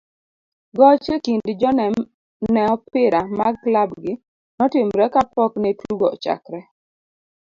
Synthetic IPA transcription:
ɡɔt͡ʃekindd͡ʒɔn | nɛɔpɪɾamaɡklabɡɪ | nɔtɪmɾɛkapɔknɛtuɡɔt͡ʃa̰kɾɛ

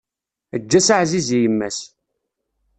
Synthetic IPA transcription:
əd͡ʒːæsaʕzizijəmːæs

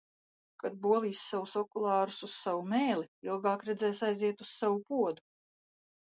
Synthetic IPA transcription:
kad̪̚buɔlˠiːsːawusɔkulˠɑːɾusussavumeːliilˠɡɑːkɾɛd̪zɛːsajziɛt̪ussavupuɔd̪u

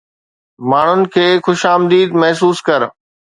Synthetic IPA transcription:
maːɳ̤ʊnɪ̆kʰeːxʊʃaːmd̪iːd̪mɐɦs̬uːskɐɾ

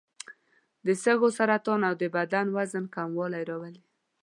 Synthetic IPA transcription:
d̪əsəɣosaɾat̪ɑnawd̪əbad̪anwazənkamwɑlajɾɑwəli

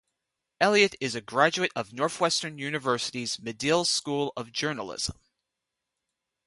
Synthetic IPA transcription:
ɛlˠiɨɾɪzɨɡɹæd͡ʒʉɨɾʌvnɔɹθwɛstə̃˞njʉnɨvɜ˞sɨɾizmɨdɪlˠskulˠʌvd͡ʒɜ˞nl̩ˠɪ̰z̥ə̰̃m

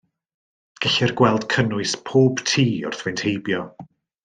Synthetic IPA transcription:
ɡ̥ɪɬɪrɡwɛlˠd̥kʰənʊɨspʰoːb̥tʰiːʊ̰rθwɛjntʰhejbjɔ

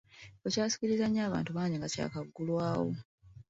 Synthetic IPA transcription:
ocaːsi̥ciɾizaɲːaːβa̰ːntuβaːɲiŋɡaca̰ːkaɡːulwaːwo̰

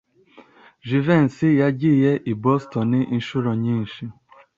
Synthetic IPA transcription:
ʒivɛn̩sɪjaɟijɛʔibɔstɔnɪn̩ʃʊɾɔɲin̩ʃi

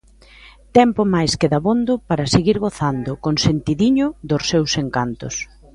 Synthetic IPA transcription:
t̪ɛmpʊmajskɪðaβond̪ʊpaɾɐseɣiɾɣoθand̪ʊkonsent̪iðiɲʊðʊsːewseŋkant̪ʊ̰s

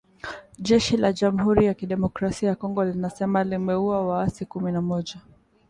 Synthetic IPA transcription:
ʄɛʃilaʄamuhuɾijakiɗɛmɔkɾasiajakɔŋɡɔlinasɛmalimɛuawaasikuminamɔʄa

